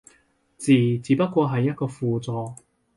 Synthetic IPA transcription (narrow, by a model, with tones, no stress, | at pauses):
t͡siː˨˩t͡siː˨˧pɐ˥t̚kʷwɔː˧ɦɐ˨jːɐ˥t̚kɔː˧fuː˨t͡sɔː˨